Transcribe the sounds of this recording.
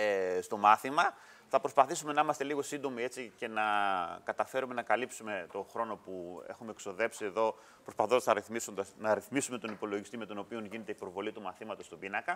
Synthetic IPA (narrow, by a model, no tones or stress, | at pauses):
st̪o̞mɐθimɐ | θɐpɾo̞spɐθisume̞nɐimɐst̪e̞liɣo̞sind̪omie̞t͡sice̞nɐkɐt̪ɐfe̞ɾume̞nɐkɐlipsume̞t̪o̞xɾo̞no̞pue̞̰xume̞ekso̞ðe̞psie̞ðo̞ | pɾospɐθosɐznɐɾiθmisund̪ɐnɐɾiθmisume̞t̪onipo̞lo̞ʝist̪ime̞t̪o̞no̞pio̞nʝinet̪e̞ipɾo̞vo̞lit̪umɐθimɐt̪o̞st̪obinɐkɐ